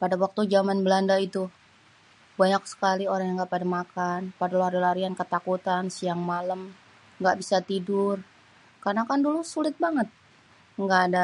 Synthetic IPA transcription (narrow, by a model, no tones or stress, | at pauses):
padawak̚t̪ud͡ʒamanbəlandait̪u | baɲak̚sə̥kalioɾaŋjaŋɡaʔpadamakanpadalaɾalaɾiankət̪akut̪ansiaŋmaləm | ŋɡaʔbisat̪idʊr | karnakandulusulɪt̪̚baŋət̪̚ | ŋɡaʔːda